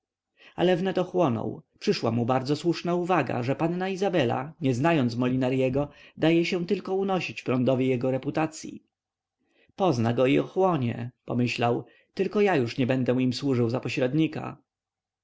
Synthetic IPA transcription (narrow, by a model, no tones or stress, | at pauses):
a̰lɛvnɛt̪ɔxwɔnɔ̰wpʂɘʂwamubaɾd̪zɔswuʂnauvaɡa̰ʐɛpannaizabɛla̰ɲɛznajɔnt̪smɔlʲinaɾjɛɡɔd̪ajɛɕɛ̃t̪ɘlkɔunɔɕit͡ɕpɾɔnd̪ɔvʲjijɛɡɔɾɛput̪at̪sʲjḭ | pɔznaɡɔiɔxwɔɲɛ̰pɔ̰mɘɕlaw | t̪ɘlkɔjajuʂɲɛbɛnd̪ɛ̃imswuʐɘwzapɔɕɾɛd̪ɲika̰